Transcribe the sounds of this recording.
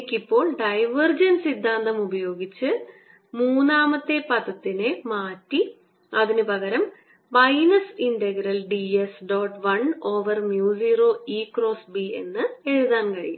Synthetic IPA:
kʲːipːo̞ːɭɖɐjʋɐrd͡ʑɐnsid̪ʱːaːnd̪ɐmubɐjo̞ːɡit͡ɕːɨ | muːnːaːmɐt̪ːe̞pɐðɐt̪ːinɨmaːtːi | ɐðinɨpɐɣɐɾɐm | bɐjnɐsindeɡɾɐlɖiesɖo̞ːʈʋɐnoːʋɐrmjuːsiːroːiːkro̞ːsbie̞̰nːɨeɻiðaːnkɐɻḭjṵ

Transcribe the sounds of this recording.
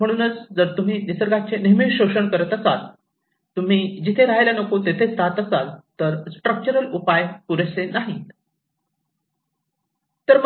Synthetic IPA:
m̤əɽ̃uːnət͡sd͡zəɾt̪um̤iːnisəɾɡʱat͡ɕeniɦmiʈɕoɕəɳkəɾət̪əsal | t̪um̤iːd͡ʑit̪ʰeɾaɦajlanəkot̪et̪ʰet͡st̪ʰat̪əsalt̪əɾsʈɾək̚t͡ɕəɾəlupajpuɾəsenaɦi | t̪əɾm

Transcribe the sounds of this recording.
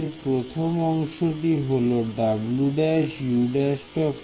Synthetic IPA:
ɾpɾot̪ʰomɔŋʃoʈiɦoloɖabluɖaʃjuɖasʈɔk

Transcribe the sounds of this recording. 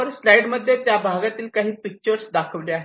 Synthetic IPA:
əɾslajɖməd̪ʱːjet̪jabʱaɡat̪iːlkaɦiːpik̚t͡ɕəɾsd̪akʰəʋleaɦe

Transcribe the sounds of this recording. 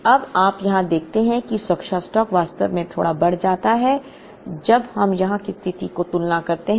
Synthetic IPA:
ɐbaːpjɐɦãd̪eːk̚ʰt̪eɦɛ̃kisɐkʃasʈɔːkʋaːst̪əʋmẽt̪ʰo̰ːɽabɐɽ̤d͡ʒaːt̪aɦɛ | d͡ʒɐbɦɐmjɐɦãkist̪ʰɪt̪ikot̪ʊlnakɐɾt̪eɦ

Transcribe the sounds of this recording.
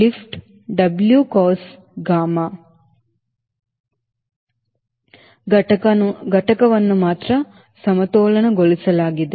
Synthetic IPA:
lifʈ | ɖɐbljukoːs | ɡaːmaː | ɡɐʈɐkɐʋɐnːumaːt̪ɾɐ | sɐmɐt̪oːlɐnɐɡolisɐlaːɡid̪e

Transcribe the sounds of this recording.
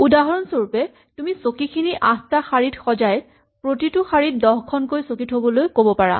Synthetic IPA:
udaɦɔɹɔnsoɹupɛ | tumisokikʰiniʔãstaxaɹitxɔzaj | pɹotitʊxaɹit̚dɔxkʰɔnkojsokitɦobɔlojkobɔpaɹa̰

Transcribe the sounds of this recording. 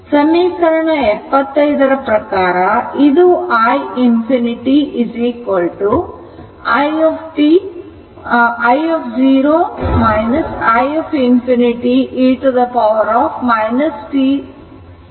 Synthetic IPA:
sɐmiːkɐɾɐɳɐɛpːɐt̪ːɐjd̪ɐɾɐpɾɐkaːɾɐid̪uaːjimpʰiniʈiiziːkʋɐlʈu | ɐjepʰʈi | ɐjepʰd͡ʒiːɾoːmɐjnɐsaːjepʰimpʰiniʈiʔiʈud̪ɐpɐʋɐɾaːpʰmɐjnɐsʈi

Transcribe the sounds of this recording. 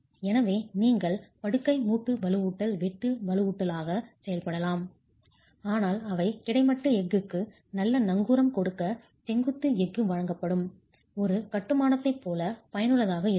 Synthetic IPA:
ɛnɐʋeːniːŋɡɐɭpɐɽɯkːɐɪmuːʈːɯʋɐlɯuːʈːɐlʋɛʈːɯʋɐlɯuːʈːɐlaːɣɐsɛjɐlpɐɽɐlaːm | aːnaːlɐʋɐɪkɪɽɐɪmɐʈːɯɛɡːɯkːɯ | nɐlːɐnɐŋɡuːɾɐmkɔɽɯkːɐ | t͡ʃɛŋɡɯt̪ːɯɛɡːɯʋɐɻɐŋɡɐpːɐɽɯm | ɔɾɯkɐʈːɯmaːnɐt̪ːɐɪpːoːlɐpɐjɐnɯɭɐðaːɣɐɪɾ

